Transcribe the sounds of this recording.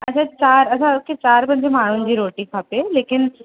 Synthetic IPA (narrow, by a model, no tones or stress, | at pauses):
ɐt͡ɕʰãt͡ɕaːɾɐsãkʰet͡ɕaːɾpɐ̃ɲd͡ʑemaːɽ̤ʊnɪ̆d͡ʑiːɾoːʈĩkʰaːpeleːkɪn